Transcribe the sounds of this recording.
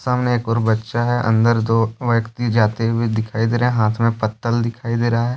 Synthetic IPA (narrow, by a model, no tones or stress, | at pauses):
saːmneeːkɔːɾbɐtːʃaɦɛʔɐ̰̃nd̪əɾd̪oːʋɐkt̪id͡ʒaːt̪ebʱid̪ɪkʰaːid̪eːɾeɦɛ̃ɦaːt̪ʰmẽpət̪ːəld̪ɪkʰaːid̪eːɾaaɦɛː